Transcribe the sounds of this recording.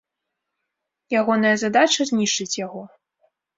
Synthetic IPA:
jaɣɔnɐjɐzad̪at͡ʂɐzʲnʲiʂt͡ʂɨt͡sʲjaɣɔ

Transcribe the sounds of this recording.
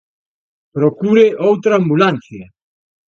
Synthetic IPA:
pɾokuɾeʔowt̪ɾaːmbulan̟θjɐ

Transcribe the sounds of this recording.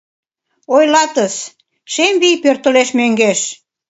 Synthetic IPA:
ojlɑt̪əs | ʃemβijpørt̪əleʃmøŋɡeʃ

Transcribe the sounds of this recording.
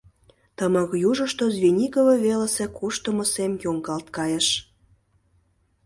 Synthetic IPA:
t̪əməkjuʒə̆ʃt̪ozβinʲikovɤ̆veləsekuʃt̪əməsemjoŋɡɑlt̪kɑjəʃ

